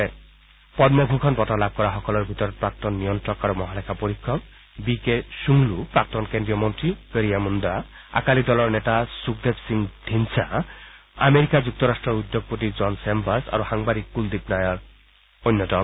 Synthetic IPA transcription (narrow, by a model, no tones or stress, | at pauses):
ɛ | pɔdmːɔbʱukʰɔnbɔtalab̚ʱkɔɹaxɔkɔlɔɹbʱitɔɹɔt̚pɹak̚tɔnːijɔntɹɔkaɹumɔɦalɛkʰapoɹikʰːɔk | bikesuŋlupɹak̚tɔnkendɹijɔmɔntɹikeɹijamunda | a̰kalidɔlɔɹnɛtasuk̚debsiŋd̥ʱinsa̰ | a̰meɹikazuk̚tɔɹastɹɔɹud̪ːoɡ̚pot̬izɔnsɛmbasa̰ɹuxaŋbadikːuldipnajɔɹ | ojnːɔtɔ